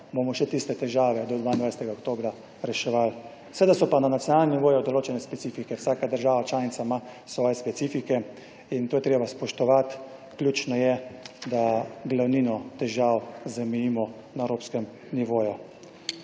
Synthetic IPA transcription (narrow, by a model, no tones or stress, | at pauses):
bomɔʃɛt̪ist̪ɛt̪ɛʒaːʋɛd̪ɔd̪ʋaind̪ajsɛ̥t̪ɛɡaɔkt̪oːbɾa | ɾɛʃɛʋal | sed̪asɔpananat̪sjɔnaːlnɛnʲiʋoːjud̪ɔloːt͡ʃɛnɛspɛt̪siːfikɛwsaːkad̪əɾʒaːʋat͡ʃlaːnit̪samasʋɔːjɛspɛt̪siːfikɛ | int̪oːjɛt̪ɾeːbaspɔʃt̪ɔʋat̪klʲuːt͡ʃnɔjɛd̪aɡlawninɔt̪ɛʒawzamɛjiːmɔ | naɛwɾoːpskɛm | niʋoːju